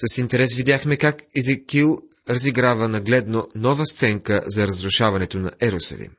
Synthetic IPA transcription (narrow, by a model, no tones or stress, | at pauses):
sɐsint̪ɛɾɛsvid̪ʲjaxmɛkakizɐkilˠ | ɾɐziɡɾavənɐɡlɛd̪nonɔvəst̪sɛŋkəzɐɾɐzɾʊʃavɐnɛt̪onɐ̰ʔɛɾusə̰lḭm